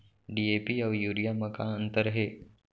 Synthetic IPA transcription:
ɖiːepiːəʋjuːɾijaməkãənt̪əɾɦe

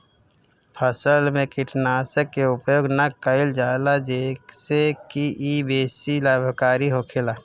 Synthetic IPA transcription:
pʰəsəlmẽkɪʈnaːsəkːeʊpjoːɡnəkəɪld͡ʒaːlad͡ʒeːksekiʔibeːsilaːbʱkaːɾiɦokʰelaː

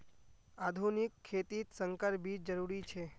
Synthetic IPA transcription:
ad̪ʱunikʰːet̪it̪səŋkəɾbʱid͡ʒəɾuɾit͡ʃʰe

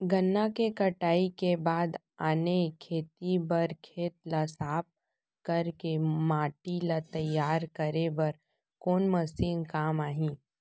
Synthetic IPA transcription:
ɡɐnːakekɐʈaːikebaːd̪ | aːnekʰeːt̪ibɐɾkʰeːt̪̚lasaːp̚ | kɐɾkemaːʈilat̪ɐjaːɾkɐɾebɐɾ | koːnmɐsiːnkaːmaːɦĩ

